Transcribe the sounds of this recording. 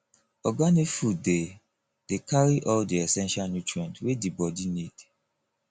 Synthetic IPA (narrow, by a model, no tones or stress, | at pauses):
ɔɡanikfud̚de | d̥ekʰaɹiʔɔldiɛsɛ̃nʃalnjutɹiɛ̃ntwedibɔdinid̥